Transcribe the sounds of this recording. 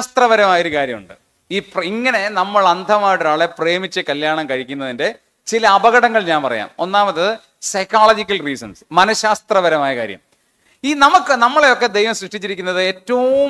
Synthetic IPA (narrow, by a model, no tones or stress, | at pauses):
st̪rɐʋɐɾɐmaːjoɾukaːɾjɐmṵɳɖɨ̰ | iːpriŋːɐne̞nɐmːɐɭɐnd̪ʱɐmaːjiʈoɾaːɭe̞pre̞ːmit͡ɕːɨkɐljaːɳɐmkɐɻikʲːun̪ːɐðinde̞ | t͡ɕilɐːbɐɣɐɽɐŋːɐɭɲaːnpɐrɐ̰ja̰ːmo̞̰nːaːmɐt̪ːɨ | sɐjkaːɭɐd͡ʑikʲːɐlriːsɐ̰nsmɐnɐɕaːst̪rɐʋɐɾɐmaːjɐka̰ːɾjɐ̰m | iːnɐmukːɨnɐmːɐɭe̞jo̞kːe̞d̪e̞jʋɐmsrɨʂʈit͡ɕːiɾikʲːunːɐðɨeːtːɐʋu